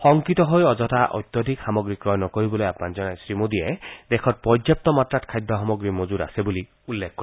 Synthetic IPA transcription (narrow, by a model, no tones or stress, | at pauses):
xɔŋkit̪ɔɦojɔzɔtaʔɔ̰jt̪ːjɔd̪ʱikxamɔɡɹikɹɔnɔkoɹibɔlojapnand͡ʒɔnajsɹimod̪ied̪ekʰɔt̚pɔd͡ʒjap̚t̪ɔmatɹatkʰajd̪ʱɔɦamɔɡɹimozuɾa̰sebuli | ulːekʰːkɔ